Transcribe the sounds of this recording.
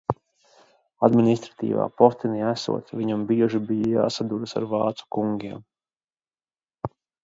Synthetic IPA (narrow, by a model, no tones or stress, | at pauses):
ad̪minʲist̪ɾḁt̪ḭːva̰ːpɔɾt̪iniæsṵɔt̪sviɲambiɛʒibijaja̰ːsad̪ud̪asa̰ɾvɑːt̪su̥kuŋɡʲiɛm